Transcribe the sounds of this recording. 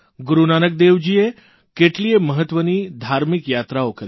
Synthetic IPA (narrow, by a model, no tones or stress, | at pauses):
ɡuɾunanək̚d̪eʋd͡ʑie | keʈlieməɦət̪ʋəniːd̪ʱaɾmikjat̪ɾaokəɾ